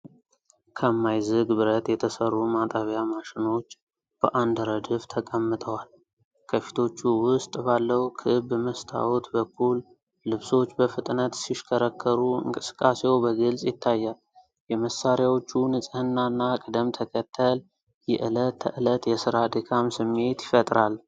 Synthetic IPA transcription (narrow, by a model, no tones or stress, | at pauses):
kʰəmːajzɨɡbɨɾət̪jɛt̪ʰəsərːumat̪ʼəβjamaʃɪno̞t͡ʃː | b̥əʔand̪ɾəd̪ɨft̪ʰəkʼəmːɨt̪ʰʼəwal | kʰəfi̥t̪ʰo̞t͡ʃːuwʊst̪ʼbalːəwkʰɨbməst̪ʰa̰wɔt̪bəkʰːulː | ɨβso̞t͡ʃːbəfɨt̪ʼnət̪siʃkʰəɾəkʰːəɾuɨ̰ŋkʼɨsɨ̥kʼːasewbəɡɨlsʼjɪt̪ʰːajːal | jɛməsːaɾjawo̞t͡ʃːunɨsʼɨhɨnːanːakʼəd̪əmt̪ʰəkʰət̪ʰːəl | jɛʔɨlət̪ʰːə̰ʔɨlət̪jɛsɨɾad̪əkʰamsɨmːe̞t̪jɪfət̪ʼɾal